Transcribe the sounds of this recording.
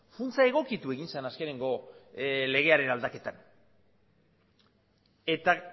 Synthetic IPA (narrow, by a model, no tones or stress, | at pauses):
funt͡sae̞ɣ̞o̞kit̪ue̞ɣinsenaske̞ne̞ŋɡo̞ | le̞ɣ̞e̞aɾe̞nald̪ake̞t̪an | e̞t̪a